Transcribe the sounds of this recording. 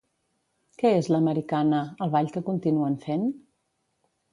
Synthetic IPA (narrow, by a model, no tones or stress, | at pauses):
kɛezləməɾikanəəlˠβaʎkəkunt̪inuənfen